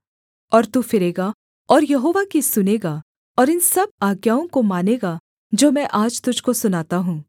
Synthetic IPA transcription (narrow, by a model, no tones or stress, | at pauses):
ɔːɾt̪uːfɪɾeːɡa | ɔːɾjɐɦoːʋakisʊneːɡa | ɔːɾɪnsɐb̚aːɡjaːõkomaːneːɡa | d͡ʒoːmɛ̃ʔaːd͡ʒt̪ʊd͡ʒʱkosʊnaːt̪aɦũː